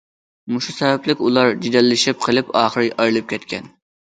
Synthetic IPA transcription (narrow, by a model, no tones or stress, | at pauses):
muʃusɛvɛplɪkʲulˠɑɾd͡ʒid̪ɛlːɪʃɪp̚qʰəlˠɪpɑːχəɾɨʔɑɾlˠɨp̚kʲʰɛt̪kʲʰɛn